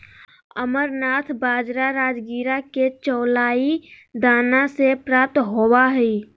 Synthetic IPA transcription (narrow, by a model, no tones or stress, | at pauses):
əməɾnaːt̪ʰbaːd͡ʒɾaɾaːd͡ʒɡiːɾaket͡ʃɔːlaːi | d̪aːnasepɾaːp̚t̪ɦowaɦi